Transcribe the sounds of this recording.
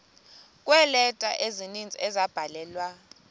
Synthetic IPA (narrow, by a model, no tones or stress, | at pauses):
kʼwɛlɛtʼa̰ʔezinind͡zʱiɛzab̥ʱalɛːlwa